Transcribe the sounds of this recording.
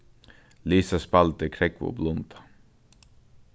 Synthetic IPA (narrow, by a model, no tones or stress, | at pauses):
liːsaspalt̪əkʰɾɛkʋo̰ːblɔnt̪ḁ